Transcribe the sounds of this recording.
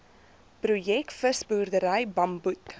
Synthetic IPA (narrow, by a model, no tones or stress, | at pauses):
prujɛkfəsbuːrdəɾəjbɐmbut